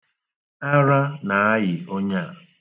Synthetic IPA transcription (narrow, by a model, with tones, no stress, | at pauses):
a˦ɾa˦na˨a˦jɪ˨o˦ɲa˦˨